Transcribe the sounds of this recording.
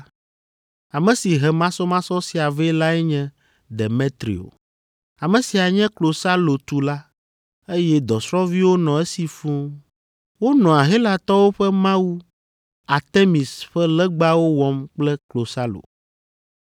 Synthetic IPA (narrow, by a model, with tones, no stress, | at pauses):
a˨mɛ̃˨si˨ɦɛ˨mã˦sɔ˦mã˦sɔ˦si˦a˨ve˦la˦ɛ˦ɲɛ̃˦ | ɖe˨me˦t̪ɾḭ˨o̰˨ | a˨mɛ̃˨si˨a˨ɲɛ̃˦klo˨sa˦lo˨t̪u˨la˦ | e˦jɛ˦d̪ɔ˨sɾɔ̃˦vi˦wo˦nɔ̃˨ɛ˦si˨fũ˦ | wo˦nɔ̃˨a˨ɦe˦la˨t̪ɔ˦wo˦ɸɛ˦mã˦wu˦ | a˨t̪e˦mi˨sɸɛ˦lɛ˦ɡ͡ba˦wo˦wɔ˦mk͡plɛ˦klo˨sa˦lo̰˨